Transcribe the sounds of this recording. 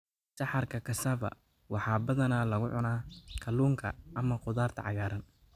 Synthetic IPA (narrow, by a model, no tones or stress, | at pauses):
sɑħɑrkʰɐkʰɐsɐβɐ̰ | wɑħɑːbɐðɐnaːlɐɣʊʕʊnaːkʰɐluːŋkʰɐʔːmɐqʊðaːrt̪ʰɐ̰ʕɑɣaːɾɐn